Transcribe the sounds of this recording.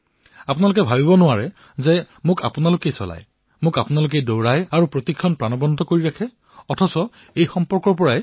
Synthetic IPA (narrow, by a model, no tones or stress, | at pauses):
apʊnalʊk̬ɛbʱabibɔnʊwaɹɛ | zɛ | mʊka̰pʊnalʊkejsɔ̰la̰j | mʊkapʊnalʊk̬ejdowɹajaɹupɹotikʰːɔnpɹanɔbɔntɔkoɹiɹakʰɛ | ɔtʰɔsɔ | ejxɔmpɔɹkɔɹp̬ɔɹaj